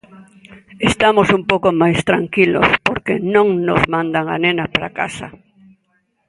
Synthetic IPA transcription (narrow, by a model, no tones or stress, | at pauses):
est̪amosumpowkomajst̪ɾaŋkilo̰spoɾkenõŋnozmãnd̪aŋa̰nenapaɾa̰ka̰sa̰